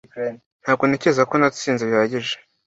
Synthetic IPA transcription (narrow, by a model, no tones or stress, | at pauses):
n̥haːb̚ɡo̞nece̞zako̞nḁt͡siːnzeβjaβaɟiʒe̥